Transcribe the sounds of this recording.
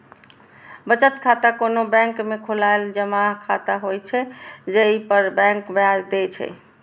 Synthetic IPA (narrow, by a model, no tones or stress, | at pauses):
bət͡ʃət̪kʰat̪akonobɛ̃ŋkmekʰulaeld͡ʒəmaɦkʰat̪aɦojt͡ʃʰɛd͡ʒeipəɾbɛ̃ŋkbad͡ʒd̪et͡ʃʰɛ̰